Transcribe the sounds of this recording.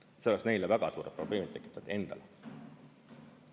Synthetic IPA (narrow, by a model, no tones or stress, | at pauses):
seoleksne̞jlevæɡ̥ɑsuːɾepro̞b̥le̞ːmit̪ːˑe̞kːˑi̥t̪ːˑɑd̪̥e̞nd̪̥ɑle